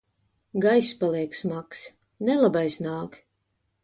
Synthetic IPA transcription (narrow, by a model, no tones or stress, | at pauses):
ɡajspalˠɛɛksmaks | nɛlˠabajsnaːk